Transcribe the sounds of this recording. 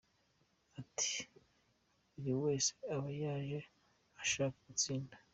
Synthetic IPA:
atʰi̥ | uβiwe̞ːse̥aβajaːʒe̞ | aʃaːkaɡut͡siːndḁ

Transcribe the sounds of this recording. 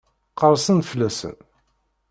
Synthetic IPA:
qəɾˤsənflːæsə̰n

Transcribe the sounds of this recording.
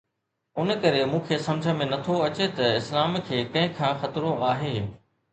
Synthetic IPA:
ʊnkɐɾemũːkʰeːsɐ̃md͡ʑʱəmẽnɐt̪ʰoɐt͡ɕet̪ɐɪslaːmkʰeːkɐ̃ɦɪ̃kʰãːxɐt̪ɪɾõʔaːɦeː

